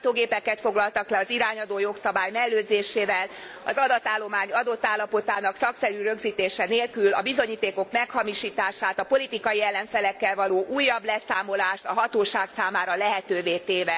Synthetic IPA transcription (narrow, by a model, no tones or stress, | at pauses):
t̪oːɡeːpɛkːɛt̪fo̞ɡlɒlt̪ɒklɛɒziɾaːɲɒd̪oːjo̞ksɒbaːjmɛlːøːzeːʃeːvɛl | ɒzɒd̪ɒt̪ːaːlːo̞maːɲɒd̪o̞t̪ːaːlːɒpo̞t̪aːnɒksɒksɛɾyɾø̞ɡziːt̪eːʃɛneːlkylɒ̰bizo̞ɲiːt̪eːko̞kmɛkhɒmiʃiːt̪aːʃaːt̪ɒpolit̪ikɒjiɛlːɛɱfɛlɛkːɛlvɒloːʔuːjːɒblɛsaːmo̞laːʃt̪ɒɦɒt̪oːʃaːksaːmaːɾɒlɛɦɛt̪øːveːt̪eːvɛ